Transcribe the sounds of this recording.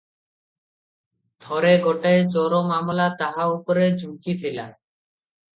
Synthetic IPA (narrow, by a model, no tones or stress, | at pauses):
d̪ʱɔɾeɡɔʈaet͡ʃɔɾomamlat̪aɦaupoɾed͡ʑʱukit̪ʰila